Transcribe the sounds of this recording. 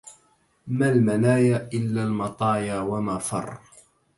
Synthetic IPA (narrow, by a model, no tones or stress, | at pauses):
malmanaːjaːʔɪlːaːlmɑt̪ˤɑːjaːwamaːfɑ̰rˤː